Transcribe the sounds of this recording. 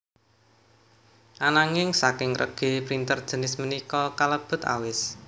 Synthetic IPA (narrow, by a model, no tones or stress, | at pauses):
ʔanaŋɪŋsakɪŋrə̰ɡ̥e̤pɾint̪ərd̥ʒ̥ə̤nɪsmənikɔkaləb̥ʊ̤t̪a̰wɪs